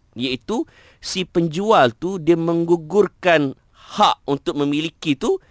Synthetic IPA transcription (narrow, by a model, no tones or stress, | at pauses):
jait̪u | sipəɲd͡ʒualt̪udiamə̃ŋɡuɡʊrkan | haʔunt̪ʊk̚mə̃mĩlikit̪u